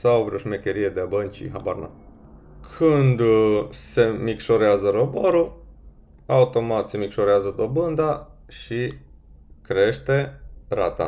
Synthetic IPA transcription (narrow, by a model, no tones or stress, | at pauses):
sawvɾeoʃmekʲeɾije̞d̪eabənt͡ʃḭɦabarna̰ | kʰɨnd̪se̞mikʃo̞ɾeazəɾo̞boɾu | aut̪o̞mat̪se̞mikʃo̞ɾeazəd̪o̞bɨnd̪aʃi | kɾe̞ʃt̪e̞ɾat̪a̰